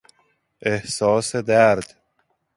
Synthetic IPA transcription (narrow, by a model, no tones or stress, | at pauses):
ehsɒːsed̪æɾd̪̥